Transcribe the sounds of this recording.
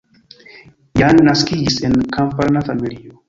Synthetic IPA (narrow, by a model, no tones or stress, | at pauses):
janːaskid͡ʒise̞nkampalnafamilio